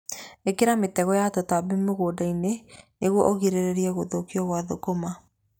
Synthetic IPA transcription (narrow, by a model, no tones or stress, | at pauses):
ekeɾametɛɣɔjatɔtabemoɣodaineneɣwɔʔoɣiɾeɾeɾiɛɣoðokiɔɣwaðokoma